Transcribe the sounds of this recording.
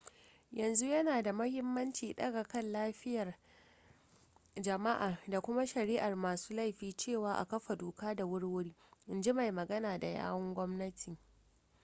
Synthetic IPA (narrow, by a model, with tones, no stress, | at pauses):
jɐ˨nzu˦jɐ˦naː˨da˨mɐ˦hɪ˦mːɐ˦nt͡ʃiː˨ɗɐ˦ɡa˨kɐ˦˨nlaː˦ɸɪ˦jɐ˨r | d͡ʒɐ˨ma˦ʔaː˨da˨kʷʊ˦ma˦ʃɐ˨ɾiː˦ʔa˨rmaː˨su̥ː˦la˦˨jɸiː˦t͡ʃeː˦˨waː˦ʔa̰˨kɐ˦ɸa˨doː˨kaː˦da˨wʊ˦rwʊ˦ɽiː˦ʔɪ˨nd͡ʒi˦ma˨jmɐ˨ɡɐ˦naː˨da˨ja̰ː˦wɐ˦ŋɡʷɔ˦mnɐ˦tʰi˨